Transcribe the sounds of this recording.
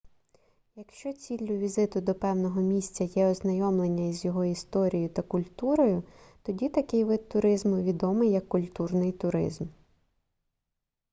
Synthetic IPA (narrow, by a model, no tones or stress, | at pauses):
jɐkʃt͡ʃɔt͡sʲilʲːʊʋʲizɪt̪ʊd̪ɔpɛwnɔɦɔmʲisʲt͡sʲɐjɛɔznɐjɔmlˠenʲːɐizʲjɔɦɔist̪ɔɾʲijʊt̪ɐkʊlʲt̪uɾɔjʊt̪ɔdʲit̪ɐkɪjʋɪd̪̚ʊɾɪzmʊʋʲid̪ɔmɪjːɐkːʊlʲt̪urnɪjt̪ʊɾɪ̰zm